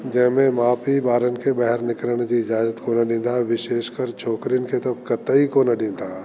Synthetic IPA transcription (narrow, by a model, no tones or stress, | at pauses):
d͡ʒɛɦmẽmaːpibaːɾənkebɛɦɛɾnɪkləɽ̃d͡ʒiɪd͡ʒaːd͡ʒət̪konɐɖɪ̃ːnd̪aʋɪʃeːʃkəɾt͡ʃʰoːkɾinket̪ɐb̚kɐt̪əikonɐɖɪ̃nd̪aː